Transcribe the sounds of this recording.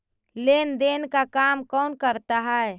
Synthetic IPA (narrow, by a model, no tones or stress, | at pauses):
lend̪enkakamkɔnkəɾt̪aɦɛe